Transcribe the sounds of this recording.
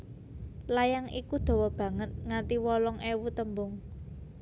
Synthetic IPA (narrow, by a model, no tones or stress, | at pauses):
lajaŋikud̪̥o̤wɔb̥ä̤ŋət̪̚ŋat̪iwɔlɔŋʔewut̪əmbʊŋ